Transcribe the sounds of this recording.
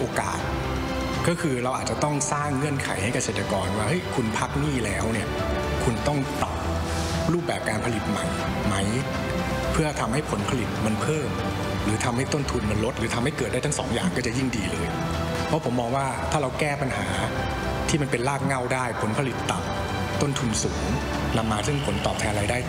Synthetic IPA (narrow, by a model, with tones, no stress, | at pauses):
ʔoː˧ka̰ː˨˩t̪̚ | kɔː˥˩kʰɯː˧ɾa˧wʔaː˨˩t̪̚t͡ɕa˨˩t̪ɔ˥˩ŋsaː˥˩ŋːɯ˥˩ənkʰa˩˦jha˥˩jka˧seː˨˩t̪ɾa˧kɔː˧nwaː˥˩ʔɤ˦˥˩jkʰu˧npʰa˦˥k̚niː˥˩lɛː˦˥wni˥˩ɐ | kʰu˧nt̪ɔ˥˩ŋt̪a˨˩p̚ | ɾuː˥˩p̚bɛː˨˩p̚kaː˧npʰa˧li˨˩t̪̚ma˨˩j | ma˦˥j | pʰɯ˥˩ɐt̪ʰa˧mha˥˩jpʰo˩˦npʰa˧li˨˩t̪̚ma˧npʰɤː˥˩m | ɾɯː˩˦t̪ʰa˧mha˥˩jt̪o˥˩nt̪ʰu˧nma˧nlo˦˥t̪̚ɾɯː˨˩˦t̪ʰa˧mha˥˩jkɤː˨˩t̪̚a˥˩jt̪ʰsɔ̰ː˩˦ŋjaː˨˩ŋkɔː˥˩t͡ɕa˨˩ji˥˩ŋdiː˧lɤː˧j | pʰɔ˦˥pʰo˩˦mːɔː˧ŋwaː˥˩t̪ʰaː˥˩ɾa˧wkɛː˥˩pa˧nɦa̰ː˩˦ | t̪ʰiː˥˩ma˧npe˧nlaː˥˩k̚ŋa˥˩wdaː˥˩jpʰo˩˦npʰa˧li˨˩t̪ːa˨˩p̚ | t̪o˥˩nt̪ʰu˧nsuː˩˦ŋ | na˧mːaː˧sɯ˥˩ŋpʰo˩˦nt̪ɔː˨p̚t̪ʰɛː˧nɾaː˧jdaː˥˩j